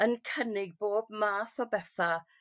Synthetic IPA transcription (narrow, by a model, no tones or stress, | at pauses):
ənkʰənɪɡ̚boːbmaːθɔbɛθa